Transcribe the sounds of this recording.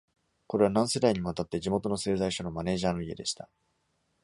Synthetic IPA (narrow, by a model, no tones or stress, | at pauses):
ko̞ɾe̞β̞anãɰ̃se̞d̪aiɲ̟imat̪at̪ːe̞d͡ʑimo̞t̪o̞no̞se̞ːzaiɕono̞mane̞ːʑaːno̞ie̞d̪e̞ɕi̥t̪ḁ